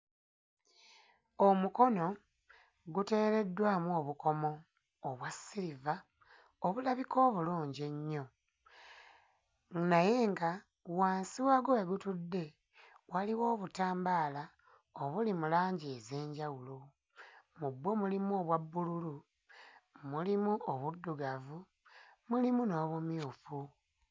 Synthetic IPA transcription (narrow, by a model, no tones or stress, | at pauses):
omuko̞no̞ | ɡute̞ɾe̞dːwaːmuoːβuko̞mo̞ː | βwasːiɾiva | oβulaβikʰo̞ːβuluːɲɟeɲːo̞ | naje̞ːŋɡa | waːnsiwaɡoweɡutudːe̞ | waliwo̞ːβutaːmbaːla | oβulimulaːɲɟeze̞ːɲɟawulo | mubwo̞mulimuoβwabːululu | mulimuoβudːuɡavu | mulimuno̞ːβumjuːfu